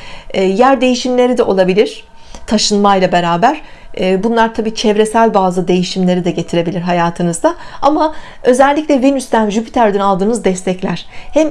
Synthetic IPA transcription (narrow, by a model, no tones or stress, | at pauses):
ɛːjæɾd̪e̞jiʃimlʲe̞ɾid̪ɛʔo̞lˠabilʲiɾ̥ | t̪ʰaʃɯnmajlˠabe̞ɾaːbæɾ̥ɛːbunlˠaɾt̪ʰabiːt͡ʃʰɛvɾesælʲbaːzɯd̪e̞jiʃimlʲe̞ɾid̪ɛɟe̞t̪ʰiɾe̞bilʲiɾɦajaːt̪ʰɯnɯzd̪aama | ø̞zɛlʲːiclʲɛvenyst̪ænʒypʰi̥t̪ʰæɾd̪ynalˠd̪ɯːnɯzd̪ɛst̪ʰɛclʲæɾ̥hɛm